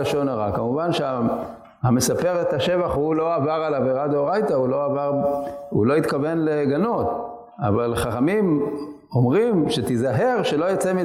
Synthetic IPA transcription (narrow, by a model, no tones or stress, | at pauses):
aʃo̞naʁakamuvanʃea | hame̞sape̞ʁet̪aʃe̞vaχhulo̞avaʁalaveʁad̪oʁajt̪aulo̞avaʁṵlo̞it̪kave̞nle̞ɡano̞t̪ | a̰valχaχamim | o̞mʁimʃe̞t̪izaɦeʁʃe̞lo̞jat͡semi